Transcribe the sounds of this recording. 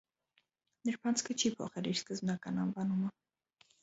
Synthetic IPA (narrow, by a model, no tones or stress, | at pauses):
nəɾpʰɑnt͡sʰkʰət͡ʃʰipʰɔ̰χɛliɾskəzbnɑkɑnɑnvɑnumə